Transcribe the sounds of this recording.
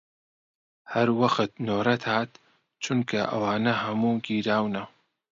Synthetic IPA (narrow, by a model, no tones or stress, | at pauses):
hɐɾwɐxɨt̪̚noːɾɐt̪haːt̪ | t͡ʃʰunkʰɐʔɐ̰waːnɐhɐmuɡiːɾaːwnɐ